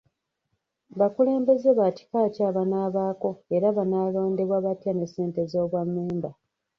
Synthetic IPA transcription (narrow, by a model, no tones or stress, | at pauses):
βakule̞ːmbe̞ze̞βaci̥kaːcaːβanaːβaːko̞e̞ɾaβanaːlo̞ːnde̞βwaβatjane̞sːe̞ːnte̞zo̞ːβwamːeːmba